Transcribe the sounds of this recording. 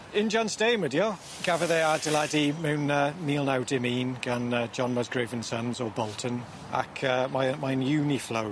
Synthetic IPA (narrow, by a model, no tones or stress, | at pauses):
ɪ̃nd͡ʒɒ̃nsteɪmədiə | ɡ̥avəðeadəladimuːnəmiːlˠnawdɪmiːnɡ̥anəd͡ʒɒ̃nməzɡɹeːvə̃nsə̃nzɔbɔlˠtʰə̃n | ʔa̰kʰəmamaɪnjʉːnifloʊ